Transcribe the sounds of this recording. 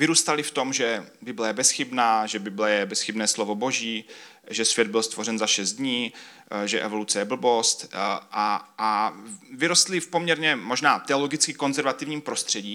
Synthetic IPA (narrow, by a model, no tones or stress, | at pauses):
vɪɾuːst̪alɪft̪o̞mʒɛbɪblɛjɛbɛsxɪbnaːʒɛbɪblɛjɛbɛsxɪbnɛːslovo̞bo̞ʒiː | ʒɛsv̥jɛd̪̚bɪlst̪vo̞rɛnzaʃɛzd̪d̪ɲiː | ʒɛʔɛvo̞lut͡sɛjɛbl̩bo̞st̪ʔaʔavɪɾo̞st̪lɪfpo̞mɲɛɾɲɛmo̞ʒnaːt̪ɛolo̞ɡɪt͡skɪko̞nzɛɾvat̪ɪvɲiːmpɾo̞st̪r̝̥ɛɟiː